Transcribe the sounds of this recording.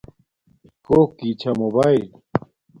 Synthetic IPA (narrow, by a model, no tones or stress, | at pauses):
koːkːit͡ɕʰɐmobaːil